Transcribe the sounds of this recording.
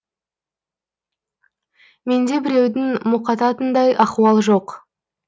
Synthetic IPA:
me̞nd̪e̞bɪɾe̞wd̪ɪŋmʊqɑt̪ɑt̪ənd̪ɑjɑquwɑlˠʒo̞q

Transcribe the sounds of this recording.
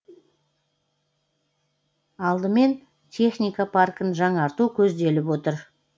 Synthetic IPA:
ɑlˠd̪əme̞n | t̪ʲʰe̞χnʲijkapʰarkənʒɑɴɑɾt̪ukʲʰɵzd̪e̞lɪpwo̞t̪əɾ

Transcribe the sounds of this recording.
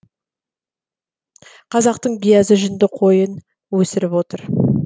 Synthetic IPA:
qʰɑzɑq̚t̪əɴbijɑzəʒʏnd̪ɪqʰo̞jən | wɵsɪɾɪpwo̞t̪əɾ

